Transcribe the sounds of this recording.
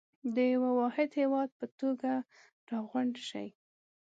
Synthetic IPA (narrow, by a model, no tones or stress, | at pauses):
d̪əjawawɑhɪd̪hewɑd̪̚pət̪oɡa | ɾɑɣwaɳɖʃa̰j